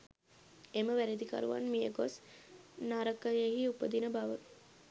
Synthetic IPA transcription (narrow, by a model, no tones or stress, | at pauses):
eməʋæɾed̪ika̰ɾuʋa̰nmijəɡosnaːɾəkːəeɦiupəd̪inəbaʋə